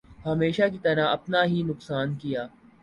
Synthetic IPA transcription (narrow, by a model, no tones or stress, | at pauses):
hɐmeːʃakit̪ɐɾaɐpnaɦinʊksaːnkijaː